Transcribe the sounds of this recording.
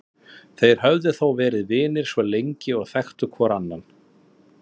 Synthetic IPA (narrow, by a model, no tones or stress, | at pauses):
θejɾ̥ɦœvðɪθowvɛːɾɪðvɪːnɪɾ̥svɔlejɲcɪɔɣθɛxt̪ʏkʰvɔːɾanːan